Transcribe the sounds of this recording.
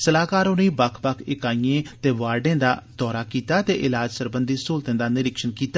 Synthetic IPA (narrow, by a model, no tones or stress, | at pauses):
səlaːkaːɾoniːbəkʰbəkʰɪkaːijẽːt̪eːʋaːɾɖẽːd̪aːd̪̥ɔːɾaːkiːt̪aːt̪eːʔɪlaːd͡ʒsəɾbənd̪iːsoːlt̪ẽːd̪aːnɪɾɪkʃənkiːt̪aː